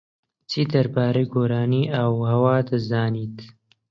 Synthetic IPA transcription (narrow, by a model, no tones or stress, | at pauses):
t͡sʰiːd̪ɐɾbaːɾɐjɡoːɾaːniːʔawhɐwaːd̪ɐzaːniːt̪